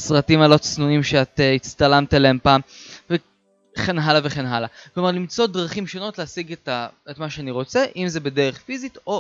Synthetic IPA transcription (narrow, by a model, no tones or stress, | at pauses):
sʁatimalo̞t͡snunimʃeatit͡st̪alamtaleempaːmve | χenɦalaveχenɦalaklo̞maʁlimt͡so̞dʁaχimʃo̞no̞tleasiɡtaetmaʃeaniʁo̞t͡seʔimzebedeʁeχfizito